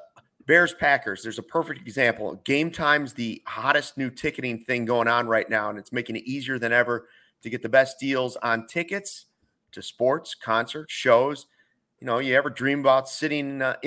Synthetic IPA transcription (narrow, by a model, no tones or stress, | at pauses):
b̥ɛɹz̥pʰækə˞zðə˞zəpʰɜ˞fɪk̚tɨɡzæ̃mpl̩ˠɡẽɪ̃mtʰãɪ̃mzðɨhɑɾɨsⁿnʉtʰɪkɨɾɪ̃ŋθɪ̃ŋɡoʊɪ̃ŋə̃nɹaɪtⁿnaʊə̃nɨtsmeɪkɪ̃ŋɨɾiziə˞ðɨ̃nɛvə˞ | ɾɨɡɛt̪̚ðɨbɛsd̥ilˠzn̩tʰɪkɨts | tʰɨspɔɹtskʰɑ̃nsə˞tʃoʊz̥ | jɨnoʊjɨɛvə˞dɹĩməbaʊtsɪɾɪ̃ŋ